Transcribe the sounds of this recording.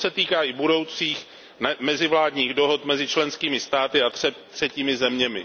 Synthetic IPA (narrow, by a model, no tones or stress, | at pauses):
sɛt̪iːkaːʔɪbudo̞wt͡siːx | mɛzɪvlaːdɲiːɣdoɦot̪mɛzɪt͡ʃlɛnskiːmɪst̪aːt̪ɪat̪rɛt̪r̥ɛciːmɪzɛmɲɛmɪ̰